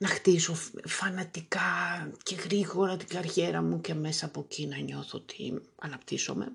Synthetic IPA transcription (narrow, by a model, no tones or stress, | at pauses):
nɐxt̪isofɐnɐt̪ikɐce̞ɣɾiɣo̞ɾɐt̪iɡɐɾçe̞ɾɐmuce̞me̞sɐːpo̞cinɐɲo̞θot̪ʰḭɐnɐpt̪iso̞̰me̞̰